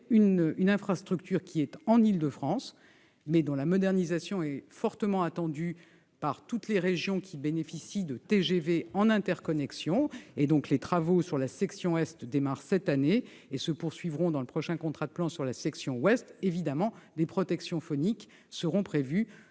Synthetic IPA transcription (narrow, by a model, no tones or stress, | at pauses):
ynynɛ̃fχast̪χykt̪yʁkʲiɛt̪ɑ̃nild̪əfχɑ̃s | mɛd̪ɔ̃lamɔd̪ɛʁnizasjɔ̃ɛfɔʁt̪əmɑ̃at̪ɑ̃d̪y | paʁt̪ut̪leʁeʒjɔ̃kʲʰibenefisid̪ət̪eʒeveɑ̃nɛ̃t̪ɛʁkɔnɛksjɔ̃ed̪ɔ̃klet̪χavosyʁlasɛksjɔ̃ɛst̪d̪emaʁsɛt̪aneː | səpuʁsɥivʁɔ̃d̪ɑ̃ləpχɔʃɛ̃kɔ̃t̪χad̪əplɑ̃syʁlasɛksjɔ̃wɛst̪evid̪amɑ̃d̪epχɔt̪ɛksjɔ̃fɔnik | səʁɔ̃pχevy